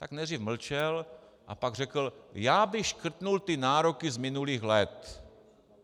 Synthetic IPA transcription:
t̪aknɛd̪riːfml̩t͡ʃɛl | ʔa̰paɡrɛkl̩jaːbɪxʃkr̩t̪nult̪ɪnaːɾokɪzmɪnuliːxlɛt̪

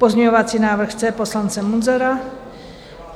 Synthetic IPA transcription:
pozɲɛɲovat͡siːnaːvr̩xt͡sɛposlant͡sɛmunzɛɾa

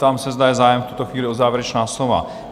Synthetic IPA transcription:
t̪amsɛzd̪ajɛzaːjɛmft̪ut̪oxʋiːlɪozaːvɛɾɛt͡ʃnaːslova̰

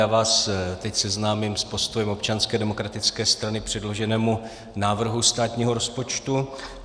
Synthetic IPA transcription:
aːvaːst̪ɛcsɛznaːmimspo̞st̪ojɛmo̞pt͡ʃanskɛːdɛmo̞kɾat̪ɪt͡skɛːst̪ɾanɪpr̝̥ɛdlo̞ʒɛnɛːmu | naːvr̩ɦust̪aːt̪ɲiːɦo̞ɾo̞spo̞t͡ʃt̪u

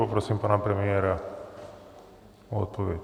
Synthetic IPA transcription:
opɾosimpanapɾemieːɾa | oot̪̚pʰoʋed̪

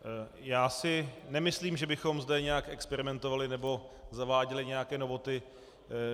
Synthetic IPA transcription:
jaːsɪnɛmɪsliːmʒɛbɪxo̞mzdɛɲɛjakɛkspɛɾɪmɛnt̪ovalɪnɛbo̞zavaːɟɛlɪɲɛjakɛːno̞vo̞t̪ɪ

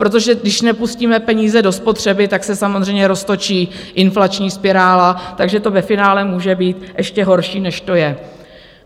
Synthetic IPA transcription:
pɾo̞t̪̬o̞ʒɛdɪʃnɛpusciːmɛpɛɲiːzɛdo̞spo̞t̪r̝̥ɛbɪt̪aksɛsamozrɛjɲɛɾo̞st̪o̞t͡ʃiːʔɪnflat͡ʃɲiːspɪɾaːlat̪aɡʒɛt̪o̞vɛfɪnaːlɛmuːʒɛbiːt̪ʔɛʃcɛɦo̞ɾʃiːnɛʃt̪o̞jɛ

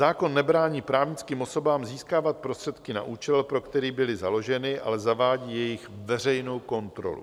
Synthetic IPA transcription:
zaːko̞nːɛbɾaːɲiːpɾaːvɲɪt͡skiːmʔoso̞baːmziːskaːvat̪̚pɾo̞st̪r̥ɛt̪kɪna̰ʔuːt͡ʃɛlpɾo̞kt̪ɛɾiːbɪlɪzalo̞ʒɛnɪʔa̰lɛzavaːɟiːjɛjɪxvɛr̝ɛjno̞wko̞nt̪ɾo̰lṵ

